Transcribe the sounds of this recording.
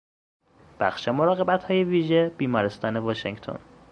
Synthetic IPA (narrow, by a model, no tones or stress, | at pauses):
b̥æxʃemo̞ɾɒːɣe̞bæt̪hɒːje̞viːʒeb̥iːmɒːɾest̪ɒːnevɒʃeŋɡt̪ʰo̰n